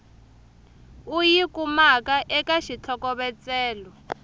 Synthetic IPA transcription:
ujikumakaʔɛkaʃit͡ɬʰɔkɔβɛt͡sɛːlɔ

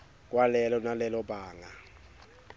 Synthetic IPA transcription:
k̬ʼwalɛlɔnalɛlɔbaːŋa

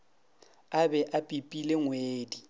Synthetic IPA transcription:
abɛʔapʼipʼileŋweːdi

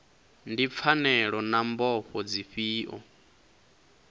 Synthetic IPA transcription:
ndip̪fʰanɛɺɔnambɔɸɔd͡ziɸiːʔɔ̰

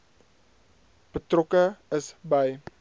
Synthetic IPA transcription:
b̥ətrɔkəəsbəj

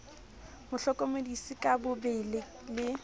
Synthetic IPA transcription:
mʊɬɔkʼɔmodisikʼabʊbelɪ | lɪ

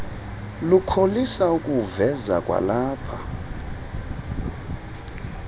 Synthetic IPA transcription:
lukʰolisaukʼuvɛza̰kʼwa̰laːpʰa

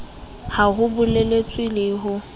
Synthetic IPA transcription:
haɣʊbʊlelet͡sʼwilɪːɦʊ

